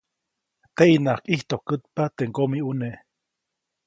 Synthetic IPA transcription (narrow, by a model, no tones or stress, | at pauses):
t̪eʔinakiht̪ohkɨt̪̚pat̪eŋkomiuneʔ